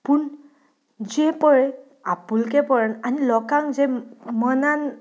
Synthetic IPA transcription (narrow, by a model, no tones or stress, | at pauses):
pun | zɛpɔɹɛ | apulkɛpɔɹananilɔkaŋzɛmɔnan